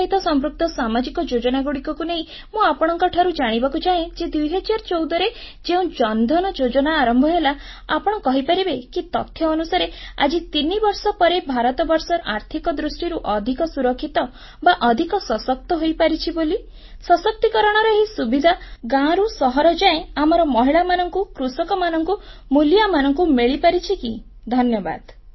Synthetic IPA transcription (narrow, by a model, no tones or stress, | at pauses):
ɦit̪ɔsɔmɾuk̚t̪ɔsamad͡ʒikɔd͡ʒod͡ʒɔnaɡuɽikɔkuneɦĩ | mũapɔɽ̃ɔŋkɔʈʰaɾud͡ʒaɽ̃ibakut͡ʃaẽd͡ʒed̪ujɦɛd͡ʒaɾt͡ʃowd̪ɔɾed͡ʒeũd͡ʒɔnd̪ʱɔnɔd͡ʒod͡ʒɔnaːɾɔmbʱɔɦela | a̰pɔɽ̃ɔkɔɦipaɾibekit̪ɔ̰t̪ʰːjɔːnusaɾea̰d͡ʒit̪inibɔɾsɔpɔɾebʱaɾɔt̪ɔbɔɾsɔɾa̰ɾt̪ʰikɔd̪ɾusʈiɾuʔɔd̪ʱikɔsuɾɔkʰːit̪ɔ | baʔɔd̪ʱikɔsɔsɔk̚t̪ɔɦojpaɾit͡ʃʰiboli | sɔsɔk̚t̪ikɔɾɔɽ̃ɔɾɔɦisubid̪ʱaɡãɾusɔɦɔɾɔd͡ʒaẽamɔɾɔmɔɦiɭamanɔŋkukɾusɔkɔmanɔŋkumuljamanɔŋkumeɭipaɾit͡ʃʰiki | d̪ʱɔnjɔba̰d̪̥